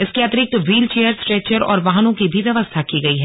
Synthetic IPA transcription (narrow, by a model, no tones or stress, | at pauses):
ɪskeɐt̪ɾɪk̚t̪ʋiːlt͡ʃeːjəɾsʈɾɛːt͡ʃəɾɔ̰ːɾʋaɦnõkibʱiʋjɐʋəst̪ʰakiɡɐiɦɛː